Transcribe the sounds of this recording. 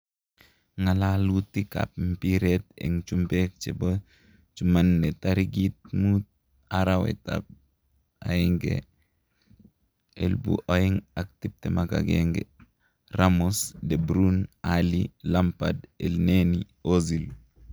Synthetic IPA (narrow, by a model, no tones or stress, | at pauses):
ŋalalut̪ika̰p̚m̩piɾet̪ḛŋt͡ʃumbek̚t͡ʃebo | t͡ʃumanːetaɾiɡit̪̚mut | aɾawɛ̰ta̰b̚ | a̰ɪŋɡḛ | ḛlbṵʔɔɪŋak̚t̪ib̚t̪ɛmaɡa̰ɡḛŋɡɛ̰ | ramusdebɾunalilampadelneni | ozil